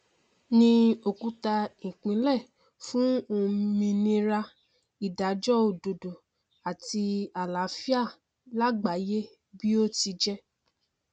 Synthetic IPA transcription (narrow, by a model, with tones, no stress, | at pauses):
nĩ˧o˨ku˨˧˦ta˧ĩ˨k͡pĩ˨˦lɛ˦˨ | fũ˦o˧mĩ˧nĩ˧ɾa˧ | i˨da˨˦d͡ʒɔ˦o˨do˨do˨ | a˨ti˧a˨la˨˦fi˦a˦˨ | la˦ɡ͡ba˨˦je˦ | bi˦o˦ti˧d͡ʒɛ˦